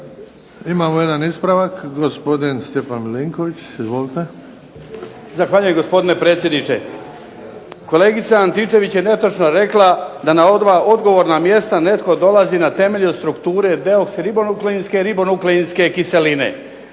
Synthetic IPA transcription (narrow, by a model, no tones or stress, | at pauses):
imaːmojed̪anispɾaʋakɡospod̪inst̪epanmliŋkoʋit͡ɕizʋolit̪e | zaxʋaːʎujemɡospo̞d̪ine̞pɾe̞ːt̪sjed̪nit͡ʃe̞̰ | ko̞le̞ːɡit̪saːnt̪it͡ʃe̞ʋit͡ɕjene̞t̪ot͡ʃno̞ɾe̞klad̪anao̞d̪ʋaʔo̞d̪ɡo̞ʋo̞ɾnamje̞st̪ane̞t̪ko̞d̪o̞lazinat̪e̞me̞ʎust̪ɾukt̪uːɾe̞d̪e̞oksɾibonukleinske̞ɾibo̞nukleinske̞kiselinḛ